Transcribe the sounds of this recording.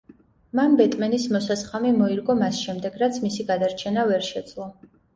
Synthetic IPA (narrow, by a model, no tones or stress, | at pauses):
manbɛt̪ʼmɛnismɔsasχamimɔiɾɡɔmasʃɛmd̪ɛɡɾat̪sʰmisiɡad̪aɾt͡ʃʰɛnavɛɾʃɛd̪zʼlˠɔ